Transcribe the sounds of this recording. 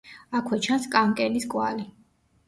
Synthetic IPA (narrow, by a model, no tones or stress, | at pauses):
akʰwɛt͡ʃʰanskʼaŋkʼɛliskʼwa̰li